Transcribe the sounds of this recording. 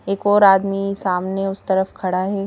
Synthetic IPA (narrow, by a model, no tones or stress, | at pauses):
eːkɔːɾaːd̪misaːmneʊst̪ɐɾəfkʰɐɽaɦɛː